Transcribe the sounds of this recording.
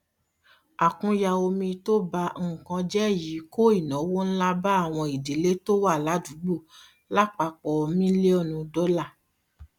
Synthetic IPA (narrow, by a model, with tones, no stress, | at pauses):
a˨kũ˧ja˧o˧mĩ˧to˦ba˧ŋ̩˨kã˧d͡ʒɛ˦˨ji˨˦ko˦i˦˨nɔ̃˨˦wo˦n̩˦la˦ba˦a˦˨w̃ɔ̃˧i˨de˨˦le˦to˦wa˦˨la˨˦du˨˦ɡ͡bo˦˨ | la˦k͡pa˧k͡pɔ˨˧mĩ˦le˦ɔ˦˨nũ˧dɔ˦la˦˨